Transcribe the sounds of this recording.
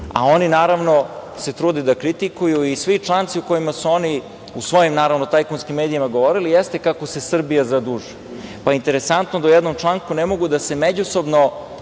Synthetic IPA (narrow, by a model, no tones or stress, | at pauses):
a̰o̞ninaːɾaʋno̞se̞t̪ɾuːd̪ed̪akɾit̪ikujuisʋit͡ʂlˠaːnt̪siuko̞jimasuo̞ni | usʋo̞jimnaːɾaʋno̞t̪ajkonskimːe̞ːd̪ijimaɡo̞ʋo̞ɾilijest̪e̞kako̞se̞sr̩bijazad̪uʒuj | paint̪e̞ɾesant̪nod̪aujɛd̪nomt͡ʃlˠaŋkunemo̞ɡud̪ase̞med͡ʑuso̞bno